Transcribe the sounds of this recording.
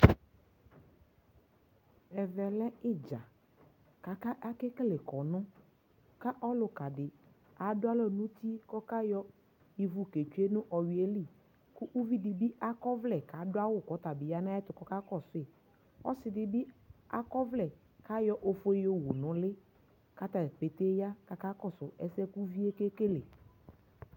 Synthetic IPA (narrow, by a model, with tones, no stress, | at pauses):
ɛ˨vɛ˨lɛ˦ɪ˦d͡ʒa˨ | ka˨ka˦ʔa˦kɛ˦kle˨kɔ˨nʊ̃˦ | ka˦ʔɔ˦lʊ˨ka˨dɪ˨ | a˨dʊ˦a˦lɔ˦nũ˦t̪i˦kɔ˦ka˦jɔ˦ | i˨vu˦ke˨t͡ʃu˦e˦nʊ̃˦ʔɔ˨wi˨e˦li˦˨ | kʊ˦ʔu˦vi˦dɪ˨bi˦a˦kɔ˦vlɛ˨ka˨˦dʊ˦a˦wʊ˦kɔ˨˦t̪a˨bɪ˨ja˦nã˦ɛ˦t̪ʊ˨kɔ˦ka˦kɔ˦˨sʊ˦e˨ | ɔ̰˦sɪ˨dɪ˨bɪ˦a̰˦kɔ˦vlɛ˨ | ka˦jɔ˦ʔo˦fo˦jo˦wu˨nʊ̃˨˦lɪ˦ | ka˦t̪a˨pe˨t̪e˦ja˦ka˨ka˦kɔ˦˨sʊ˨ɛ˦sɛ˦ku˦vi˦e˦ke˦ke˦le˨